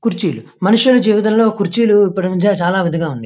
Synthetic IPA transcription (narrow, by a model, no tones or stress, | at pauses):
kuɾt͡ʃiːlu | mɐnuʂjulud͡ʒiːʋit̪̬ɐnlo̞ːkuɾt͡ʃiːluipːuɽnuɲt͡ʃat͡ʃaːlaːʋɐd̪ʱiɡaːund̪i